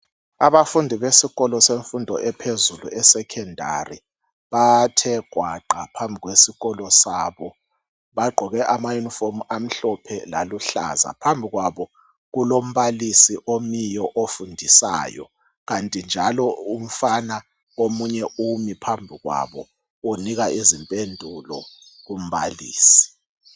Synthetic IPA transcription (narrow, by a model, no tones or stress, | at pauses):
aβafundʱiβesiɣɔlɔseɱfundʱɔʔɛpʰezuluɛsɛkʰɛndʱa̰ri | βatʰɛɡ̥ʱwaǃʱapʰambʱiɣwesiɣɔlɔsaːβɔ | βaɡ͡ǃʱɔɣɛʔamajunifomam̩ɬɔpʰɛla̰luɬa̰za̰pʰambʱiɣwaβɔ | ɣulom̩βalisiʔomijɔʔofundʱisa̰ːjɔ̰ | ɣantʼind͡ʒʱalɔum̩fana | omuɲɛʔumipʰambʱiɣwa̰βɔ | uniɣaizimpʼendʱulɔɣum̩βalḭːsi̥